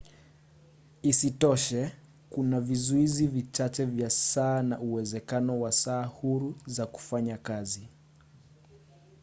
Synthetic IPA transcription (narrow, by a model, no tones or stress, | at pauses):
isitɔʃɛ | kunavizuizivit͡ʃat͡ʃɛvjasaːnauwɛzɛkanɔwasaːhuɾuzaku̥faɲakazi